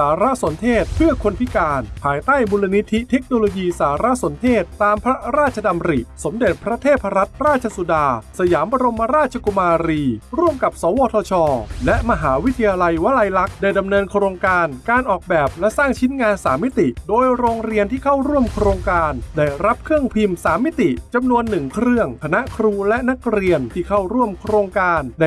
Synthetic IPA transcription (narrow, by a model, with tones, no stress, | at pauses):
aː˩˦ɾa˦˥so˩˦nt̪ʰeː˥˩t̪̚pʰɯ˥˩ɐkʰo˧npʰi˦˥kaː˧npʰaː˧jt̪aː˥˩jbuː˧la˧ni˦˥t̪ʰi˦˥t̪ʰe˦˥k̚noː˧loː˧jiː˧saː˩˦ɾa˦˥so˩˦nt̪ʰeː˥˩t̪̚ːaː˧mpʰɾa˦˥ɾaː˥˩t̪̚t͡ɕʰa˧da˧mɾi˨˩so˩˦mde˨˩t̪̚pʰɾa˦˥t̪ʰeː˥˩t̪̚pʰa˧ɾa˦˥t̪̚ɾaː˥˩t̪̚t͡ɕʰa˧su˨˧˩daː˧sa˧jaː˩˦mba˧ɾo˧mːa˧˥ɾaː˥˩t̪̚t͡ɕʰa˧ku˧maː˧ɾiː˧ɾu˥˩əmka˨˩p̚sɔː˩˦wɔː˧t̪ʰɔː˧t͡ɕʰɔː˧lɛ˦˥ʔma˧ɦaː˩˦wi˦˥t̪ʰa˧jaː˧la˧jwa˦˥la˧jla˦˥k̚daː˥˩jda˧mnɤː˧nkʰɾoː˧ŋkaː˧nkaː˧nʔɔː˨˩k̚bɛː˨˩p̚lɛ˦˥ʔsaː˥˩ŋt͡ɕʰi˦˥nŋaː˧nsaː˩˦mːi˦˥t̪i˨˩doː˧jɾoː˧ŋɾi˧ənt̪ʰiː˥˩kʰa˥˩wɾu˥˩əmkʰɾoː˧ŋkaː˧ndaː˥˩jɾa˦˥p̚kʰɯ˥˩əŋpʰi˧msaː˩˦mːi˦˥t̪i˨˩t͡ɕa˧mnu˧ənːɯ˨˩ŋkʰɾɯ˥˩əŋkʰa˧na˦˥ʔkʰɾuː˧lɛ˦˥ʔna˦˥k̚ɾi˧ənt̪ʰiː˥˩kʰa˥˩wɾu˥˩əmkʰɾoː˧ŋkaː˧nda˥˩